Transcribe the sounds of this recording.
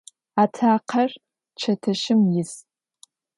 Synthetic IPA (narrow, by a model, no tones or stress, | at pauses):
aːtʰaːqʰɐr | t͡ʃʰɐtʰɐʃɪmjɪs